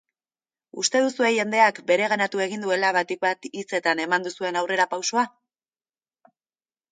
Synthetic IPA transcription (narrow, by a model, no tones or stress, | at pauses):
ust̪e̞ðusue̞ʝe̞nd̪e̞akbe̞ɾe̞ɣanat̪ue̞ɣind̪ue̞laβat̪ik̚bat̪it͡se̞t̪ane̞mand̪usue̞nawre̞ɾapawso̞a